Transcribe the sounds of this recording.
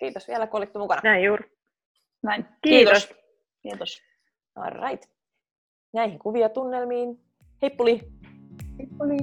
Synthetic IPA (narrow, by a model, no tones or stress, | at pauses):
kiːt̪osʋielækuolit̪ːumukɑnɑnæijjuːɾ | næinkiiːt̪oos | kiːt̪os | o̰rɑ̰jt̪ | næihiŋkuʋiɑt̪unːelmiːn | hepːuliː | hipːuli